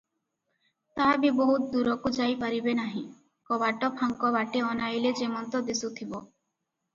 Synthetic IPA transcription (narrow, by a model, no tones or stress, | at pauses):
t̪abiboɦut̪̚d̪uɾɔkud͡ʒajpaɾibenaɦĩ | kɔbaʈɔpʰaŋkɔbaʈeɔnajled͡ʒemɔnt̪ɔd̪esut̪ʰibɔ